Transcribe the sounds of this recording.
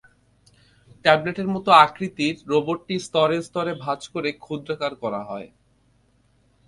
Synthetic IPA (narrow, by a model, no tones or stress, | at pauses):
ʈɛbleʈeɾmɔt̪oakɾit̪iɾːoboɾʈist̪ɔɾeɾst̪ɔɾebʱat͡ɕkoɾekʰud̪ɾakaɾkɔɾa̰ɦɔe